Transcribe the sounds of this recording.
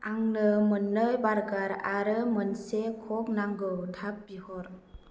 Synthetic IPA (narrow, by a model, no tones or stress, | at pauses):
aŋnɯmɯnːəjbaɾɡaɾaɾɯmɯnsekʰɔk̚naŋɡowtʰap̚bihɔɾ